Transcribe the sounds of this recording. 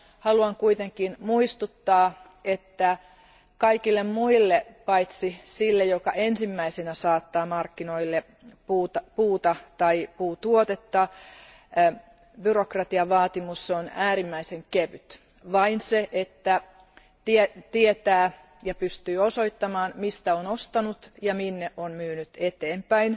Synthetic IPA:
hɑluɑŋkuit̪eŋkinmuist̪ut̪ːɑː | et̪ːæ | kɑikilːemmuilːepɑit̪sisilːejokɑʔensimːæisenæsɑːt̪ːɑːmɑrkːinoilːe | puːt̪ɑpuːt̪ɑt̪ɑipuːt̪uot̪et̪ːɑ | byrokrɑt̪iɑʋɑːt̪imusːonæːɾimːæiseŋkeʋyt̪ | ʋɑinseʔet̪ːæ | t̪iet̪iet̪æː | jɑpyst̪yːosoit̪ːɑmɑːnmist̪æonost̪ɑnut̪jɑminːeʔonmyːnyt̪et̪eːmpæin

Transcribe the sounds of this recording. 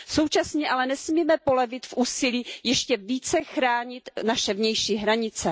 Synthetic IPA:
so̞wt͡ʃasɲɛʔalɛnɛsmiːmɛpo̞lɛvɪt̪fʔuːsɪliːjɛʃcɛviːt͡sɛxɾaːɲɪt̪naʃɛvɲɛjʃiːɦɾaɲɪt͡sɛ

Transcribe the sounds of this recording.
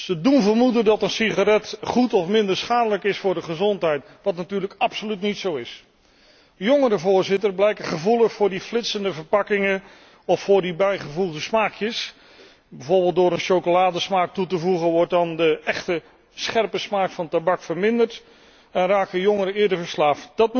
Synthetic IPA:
sədunvəɹmudəndɑtənsiχarɛtχutɔfmɪndəɹsχaːdələkɪsfʊːɹdəχəzɔntɦɛjt | ʋɑtnatyːɹləkɑpsolytnitsowɪs | joŋəɾəvʊːɹzɪtərblɛjkəχəvuləχfʊːɹdiflɪtsəndəvəɹpɑkɪŋən | ɔfːʊːɹdibɛjχəvuχdəsmaːkjəs | bɛjvʊːɹbɪːlˠt̚dʊːɾənʃowkolaːdəsmaːk̚tutəvuχənʋɔɹt̚dɑndəʔɛχtə | sχɛrpəsmaːkfɑntabɑkfəɹmɪndəɹt | ɛnraːkəjoŋəɾəɪːdəɹvəɹslaːfəd̥ɑt̚

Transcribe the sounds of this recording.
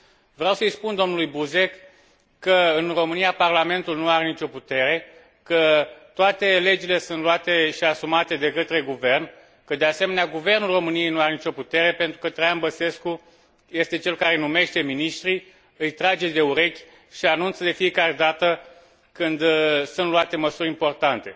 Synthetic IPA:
vɾeawsəɨjspund̪o̞mnulujbuze̞k | kːəɨnro̞mɨnijaparlame̞nt̪ulnuaɾenit͡ʃo̞put̪e̞ɾe̞ | kət̪oat̪e̞le̞d͡ʒile̞suɨnt̪luat̪eʃiasumat̪e̞d̪e̞kət̪ɾe̞ɡuve̞rn | kəd̪e̞ase̞me̞neaɡuve̞rnulro̞mɨnije̞jnuaɾe̞nit͡ʃo̞put̪e̞ɾe̞pe̞nt̪ɾukət̪ɾajanbəse̞sku | je̞st̪e̞t͡ʃe̞lkaɾenume̞ʃt̪e̞miniʃt̪ɾi | ɨjt̪ɾad͡ʒe̞d̪e̞uɾe̞kʲ | ʃianunt̪səd̪e̞fije̞kaɾe̞d̪at̪ə | kɨnd̪sunt̪luat̪e̞məsuɾʲimpo̞rt̪ant̪e̞

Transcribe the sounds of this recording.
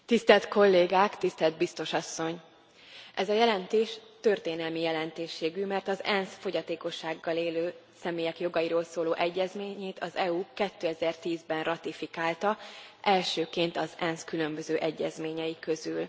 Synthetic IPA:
t̪ist̪ɛlt̪ko̞lːeːɡaːkt̪ist̪ɛld̪̚bist̪o̞ʃɒsːo̞ɲ | ʔɛzɒjɛlɛnt̪eːʃt̪ø̞rt̪eːnɛlmijɛlɛnt̪eːʃːeːɡymɛrt̪ɒzɛnsfo̞ɟɒt̪eːko̞ʃːaːɡːɒleːløː | sɛmeːjɛkjo̞ɡɒjiɾoːlsoːloːʔɛɟːɛzmeːɲeːt̪ʰɒzɛukɛt̪ːøːɛzɛrt̪iːzbɛnrɒt̪ifikaːlt̪ɒʔɛlʃøːkeːnt̪ɒzɛnskylø̞mbøzøːʔɛɟːɛzmeːɲɛjikø̞zyl

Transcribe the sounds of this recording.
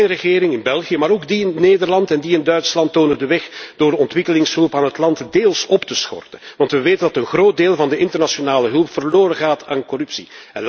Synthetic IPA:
nrəɣɪːɾɪŋɪnbɛlˠɣijəmaːɾoɡdiɪnneːdərlɑntɛndiɪndœɥtslɑntːoːnədəʋɛxd̥oːrəɔntʋɪkəlɪŋsɦɵlˠpaːnɦətlɑntdeːlˠsɔptəsxɔ̰rtənʋɑntʋəʋeːtəndɑtənɣroːt̚deːlˠvɑndəʔɪntərnasionaːləɦɵlˠpfərloːɾəɣaːtaːnkɔrɵpsiɛn

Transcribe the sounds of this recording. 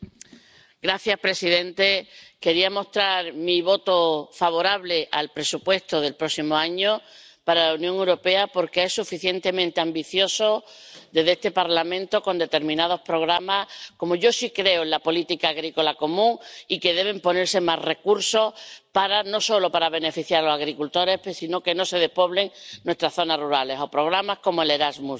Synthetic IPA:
ɡɾaθjahpɾe̞siðe̞nt̪e̞ke̞ɾiamo̞ht̪ɾaɾmiβo̞t̪ofaβ̞o̞ɾaβle̞ʔalpɾe̞supwe̞st̪oðe̞lpɾo̞simo̞aɲo̞ | paɾalaunjõŋe̞wɾo̞pe̞apo̞ɾke̞esufiθje̞nt̪e̞mẽnt̪e̞ambiθjo̞so̞d̪e̞ðest̪e̞paɾlamẽnt̪o̞ko̞nd̪e̞t̪e̞ɾmĩnað̞o̞hpɾo̞ɣ̞ɾamahko̞moʝo̞sikɾe̞oelapo̞lit̪ikaːɣɾiko̞lako̞mũŋike̞ðe̞β̞e̞mpo̞ne̞ɾse̞marre̞kuɾso̞paɾano̞so̞lo̞paɾaβ̞e̞ne̞fiθjaɾalosaɣɾikult̪o̞ɾe̞psino̞ke̞no̞se̞ð̞e̞hpo̞βle̞ŋnwe̞st̪ɾaθo̞naruɾale̞so̞pɾo̞ɣɾamahko̞moele̞ɾazmus

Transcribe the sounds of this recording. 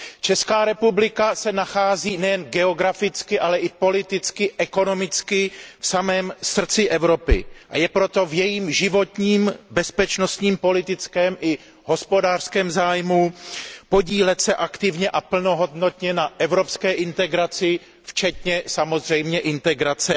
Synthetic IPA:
t͡ʃɛskaːɾɛpublɪkasɛnaxaːziːnɛjɛnɡɛo̞ɡɾafɪt͡skɪʔalɛʔɪpo̞lɪt̪ɪt͡skɪʔɛko̞no̞mɪt͡skɪfsamɛːmsr̩t͡sɪʔɛvɾo̞pɪ̰ʔa̰jɛpɾo̞t̪o̞vjɛjiːmʒɪvo̞t̪ɲiːmbɛspɛt͡ʃnost̪ɲiːmpo̞lɪt̪ɪt͡skɛːmʔɪ | ɦo̞spo̞daːr̥skɛːmzaːjmupo̞ɟiːlɛt̪sɛʔakt̪ɪvɲɛʔapl̩no̞ɦo̞dno̞t̪ɲɛnaʔɛvɾo̞pskɛːʔɪnt̪ɛɡɾat͡sɪ | ft͡ʃɛt̪ɲɛsamo̞zr̝ɛjmɲɛʔɪnt̪ɛɡɾat͡sɛ

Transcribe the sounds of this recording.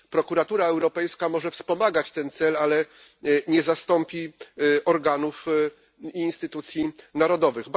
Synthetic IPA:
pɾɔkuɾat̪uɾaɛwɾɔpɛjskamɔʐɛfspɔmaɡat͡ɕt̪ɛnt̪sɛlalɛ | ɲɛzast̪ɔmpʲiɔɾɡanuf | iːnst̪ɘt̪ut̪sʲjinaɾɔd̪ɔvɘɣb

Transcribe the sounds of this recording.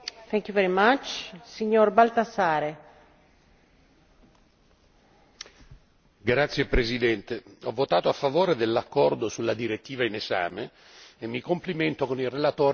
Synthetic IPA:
θɛ̃ŋkjuvɛɾimat͡ʃsiɲːoɾbalt̪asaːɾe | ɡɾat̪sːjepɾesid̪ɛnt̪eɔvːot̪aːt̪oafːavoːɾed̪elːakːɔrd̪osulːad̪iɾet̪ːiːvaineza̰ːmeː | mːikompliment̪okonilrelat̪oː

